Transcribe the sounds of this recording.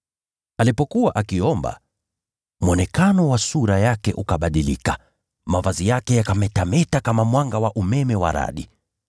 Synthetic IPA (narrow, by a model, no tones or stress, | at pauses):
alipɔkuwaʔakiɔmba̰ | mwɔnɛkanɔwasuɾajakɛʔukaɓaɗilika | mavazijakɛjakamɛtamɛtakamamwaŋɡawaʔumɛmɛwa̰ɾa̰ɗi